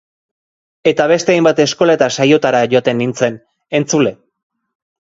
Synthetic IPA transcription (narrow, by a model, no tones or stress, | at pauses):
e̞t̪aβe̞st̪e̞ajmbat̪e̞sko̞let̪asajo̞t̪aɾaʝo̞t̪e̞nːint͡se̞n | e̞nt͡sule̞